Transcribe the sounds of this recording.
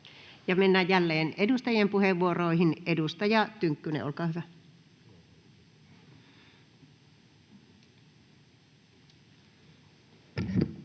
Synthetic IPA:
jɑmenːæjjælːeːnʔedust̪ɑjempuheʋːuoroˑihinedust̪ɑjɑt̪yŋkːynḛo̰lkɑːhyʋæ

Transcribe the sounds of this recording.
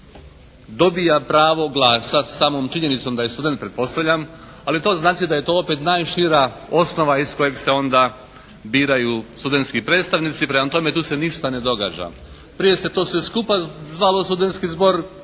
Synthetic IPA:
d̪o̞bijapɾaːʋo̞ɡlˠaːsasaːmo̞ːmt͡ʃiɲenit̪so̞md̪ajest̪ud̪e̞nt̪̚pɾe̞t̪po̞st̪aʋʎam | alit̪o̞ːznaːt͡ʃid̪aje̞t̪o̞ːope̞t̪naːjʃiɾao̞sno̞ʋaisko̞je̞ɡse̞o̞nd̪a | biːɾajust̪ud̪ent̪skipɾet̪st̪aʋnit̪sipɾemat̪o̞me̞t̪uːse̞niʃt̪ane̞d̪o̞ɡa̰ːd͡ʒa̰ | pɾije̞se̞t̪o̞ːseskupazʋalo̞st̪ud̪e̞nt̪skizbo̞ɾ

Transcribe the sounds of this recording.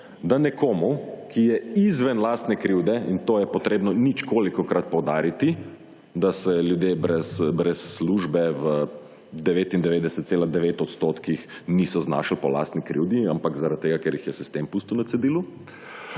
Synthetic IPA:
d̪anɛkoːmukʰijɛizʋɛnlaːst̪nɛkɾiwd̪ɛint̪oːjɛpɔt̪ɾeːbnɔnit͡ʃkoːlikɔkɾat̪̚pɔwd̪aːɾit̪i | d̪asɛljud̪jebɾɛsbɾɛsːluːʒbɛʋə | d̪ɛʋeːt̪ind̪ɛʋeːd̪ɛsɛt̪̚seːlad̪ɛʋeːt̪ɔt̪st̪ot̪kixnisɔzna̰ːʃlpɔla̰st̪nikɾḭwd̪iampakzaɾat̪̚t̪ːeːɡakɛɾjixjɛsist̪empust̪uwnat̪sɛd̪iːlu

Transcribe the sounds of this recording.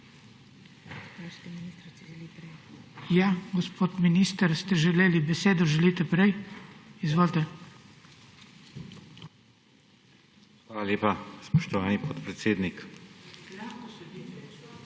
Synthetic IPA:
st̪ɛinis | jaɡɔspʰoːt̪minist̪əɾst̪ɛʒɛleːlibɛseːd̪ɔʒɛlit̪ɛpɾɛjizʋoːlʲt̪ɛ | xʋaːlaljeːpaspɔʃt̪ɔʋaːnipoːt̪pɾɛt̪seːd̪nik

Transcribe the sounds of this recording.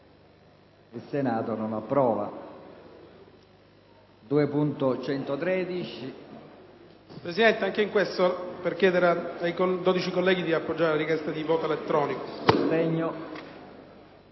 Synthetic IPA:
ilsenaːt̪ononapːɾɔːva̰ | d̪uːepunt̪ot͡ʃɛnt̪ot̪ɾɛːd̪it͡ʃi | pɾesid̪ɛnt̪eaŋkeiŋkwest̪operkjɛːd̪eɾaajkod̪od̪it͡ʃikolːɛːɡid̪iapːod͡ʒːaɾelaɾikjɛst̪ad̪ivɔːt̪oelet̪ːɾɔːnikotɛɲːo

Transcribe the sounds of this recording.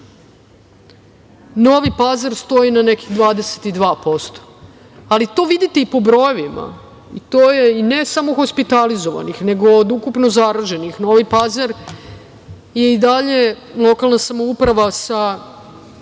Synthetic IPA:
no̞ʋipazaɾst̪o̞inane̞ki̥xd̪ʋaːd̪ese̥t̪id̪ʋaːpo̞st̪o̥ | alit̪o̞ːʋid̪it̪eipo̞bɾo̞joʋima̰ | ḭt̪oːjeine̞samo̞xo̞spit̪alizoʋa̰nixne̞ɡoːd̪ukupno̞zaɾaʒe̞nixno̞ʋipazaɾ | je̞id̪aʎe | lˠo̞kalˠnasamoupɾaʋasa

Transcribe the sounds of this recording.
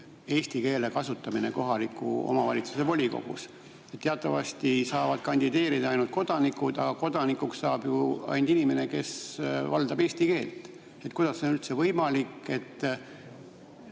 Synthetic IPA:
e̞ːst̪ike̞ːle̞kɑsut̪ːˑɑmine̞̰ko̞ɦɑlikːˑṵo̞̰mɑvɑ̰lʲit̪su̥se̞po̞lʲiko̞̰ɡ̥ṵs | et̪t̪ːeɑt̪ˑːɑvɑ̰st̪isɑːvɑd̪̥kɑnʲd̪id̪e̞ːɾid̪̥ɑɑjnult̪̚ko̞d̪̥ɑnikud̪̥ɑɡ̥ɑko̞d̪̥ɑnikːˑuksːɑːb̥juɑ̰jnd̪̥inime̞ne̞ke̞svɑ̰ld̪̥ɑbe̞ːsʲt̪ike̞ːlt̪ | et̪kujd̪̥ɑsːeonylt̪se̞vɤjmɑlikːˑe̞t̪ː

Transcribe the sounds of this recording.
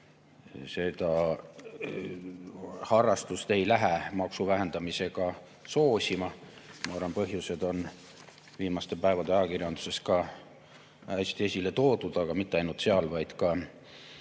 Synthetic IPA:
se̞d̪̥ɑ | hɑrːɑst̪ust̪e̞jlæɦæmɑksuvæɦe̞nd̪̥ɑmise̞ɡ̥ɑ | so̞ːsʲimɑmɑɑrɑnpɤɦjuse̞d̪̥o̞n | viːmɑst̪e̞pæevɑd̪eɑjɑkirjɑnd̪u̥se̞skɑ | æsʲt̪iesʲile̞t̪o̞ːd̪ud̪̥ɑɡ̥ɑmit̪ːeɑjnult̪seɑlvɑjd̪̥kɑ

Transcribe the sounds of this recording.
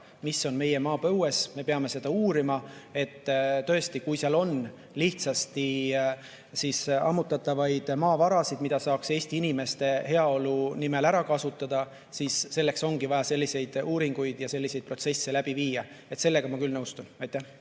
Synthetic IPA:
misːo̞nme̞je̞mɑːpɤwe̞sme̞peɑme̞se̞d̪̥ɑuːɾimɑe̞t̪ːt̪ø̞e̞st̪ikujseɑlo̞n | liht̪sɑst̪i | sisʔɑ̰mːut̪ːˑɑt̪ːˑɑvɑjd̪̥mɑːvɑɾɑsid̪̥mid̪ɑsɑːkse̞ːsʲt̪iinime̞st̪e̞he̞ɑo̞lunime̞læɾɑkɑsut̪ːˑɑd̪̥ɑ | siːsːe̞lːe̞kso̞ŋɡ̥ivɑjɑse̞lʲːise̞jd̪uːɾiŋɡ̥ujd̪̥jɑse̞lːise̞jd̪̚pro̞t̪se̞sːelæb̥iviːjɑ | e̞t̪se̞lːe̞ɡ̥ɑmɑkylnɤwst̪unɑjt̪ːæh

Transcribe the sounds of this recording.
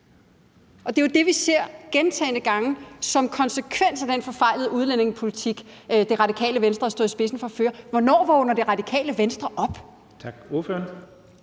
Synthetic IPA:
ʔɒ̽d̥e̝jod̥e̝ʋise̝ɐ̰ɡ̥ent͡sʰɛ̰ːnəɡ̥ɑ̈ŋəsɒ̽mkʰɒ̽nsəkʰʋen̰sæd̥enfɒ̽fɑ̈ɪ̰lð̞̩ˠəuð̞ˠlen̰e̝ŋpʰo̝lit͡sʰiɡ̥d̥e̝ʁɑ̈dikʰɛ̰ːləʋensd̥ʁɐsdoðˠisb̥e̝sn̩fɒ̽føːɐʋɒnɒ̰ːʋɒːnɐd̥e̝ʁɑ̈d̥ikʰɛ̰ːləʋensd̥ʁɐʔɒ̽b̥ | t͡sʰɑɡ̥oføɐn

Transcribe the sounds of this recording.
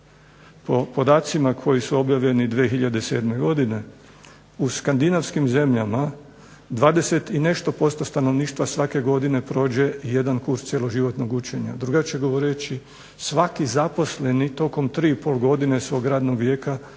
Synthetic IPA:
po̞po̞d̪aːt̪simakʰo̞jisuo̞bjaʋʎenid̪ʋexiʎad̪e̞se̞̰ːd̪me̞ɡo̞d̪ine̞ | uskand̪inaʋskimze̞mʎama | d̪ʋaːd̪e̞se̞t̪ine̞ʃt̪o̞po̞st̪ost̪ano̞ʋniːʃt̪ʋasʋake̞ɡo̞d̪ine̞pɾo̞ːd͡ʑe̞ije̞d̪ankuɾst̪sjelo̞ʒiʋo̞t̪no̞ɡut͡ʃe̞ɲa̰d̪ɾuɡat͡ʃeɡo̞ʋo̞ɾet͡ʃi | sʋakizapo̞sle̞nit̪o̞ko̞mt̪ɾiːipo̞lɡo̞d̪ine̞sʋo̞ɡɾaːd̪no̞ɡʋje̞ːka

